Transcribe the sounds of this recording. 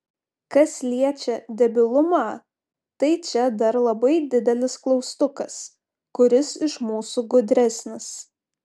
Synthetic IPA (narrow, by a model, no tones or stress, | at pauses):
kɐslʲiɛt͡ʃʲɛd̪ʲɛbʲɪlˠʊmɑː | t̪ɐɪt͡ʃʲɛd̪ɐɾlˠɐbɐɪd̪ʲɪd̪ʲɛlʲɪsklˠɒʊst̪ʊkɐs | kʊɾʲɪsɪʃmuːsuɡʊd̪ʲɾʲæsʲnʲɪs